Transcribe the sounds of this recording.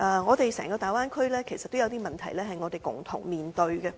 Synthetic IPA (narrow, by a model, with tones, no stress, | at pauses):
ʔɛ˨˧ŋɔː˨˧t̪e˨jsɛ̰ː˨˩ŋkɔː˧t̪aː˨˩jwaː˥nkʰɵ˥lɛː˥kʰe˨˩jsɐ˨t̪ːo˥wjɐ˨˧wt̪iː˥mɐ˨nt̪ʰɐ˨˩jlɛː˥ɦɐ˨jŋɔː˨˧t̪e˨jkʊ̰˨˩ŋt̪ʰʊ̰˨˩ŋmiː˨nt̪ɵ˧ɥɡɛ˧